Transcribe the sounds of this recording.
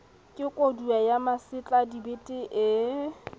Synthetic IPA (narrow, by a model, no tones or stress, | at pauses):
kʼɪkʼoduajamasɪt͡ɬʼadibɪtʼɪʔɪ